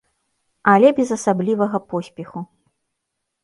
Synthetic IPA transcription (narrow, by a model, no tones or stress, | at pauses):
alʲɛbʲɛzɐsablʲivɐɣɐpɔsʲpʲɛxu